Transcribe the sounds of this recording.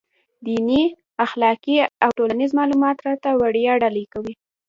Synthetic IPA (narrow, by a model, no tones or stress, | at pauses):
d̪ini | axlɑkiawʈolanɪzmɑlumɑt̪ɾɑt̪awaɽjɑɖalekawi